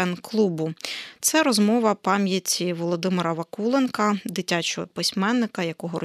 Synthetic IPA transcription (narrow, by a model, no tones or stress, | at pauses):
ɛnklˠubʊt̪sɛɾɔzmɔʋɐpɑmʲjɐtʲiʋɔlˠɔd̪ɪmɪɾɐʋɐkulˠenkɐd̪ɪtʲat͡ʃɔɦɔpɪsʲmɛnːɪkɐjɐkɔɦɔɾɔ